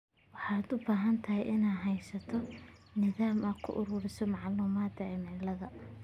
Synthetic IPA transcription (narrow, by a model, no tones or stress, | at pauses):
wɑħɑːd̪ʊbaːɦɐnt̪ʰɐɦɛjʔɪnajɦɛjsɐt̪ʰɔnɪðaːmɐkʰʊ̰ʔʊɾʊːɾɪsɔmɑʕluːmaːd̪ɐɛmɛlɐðɐ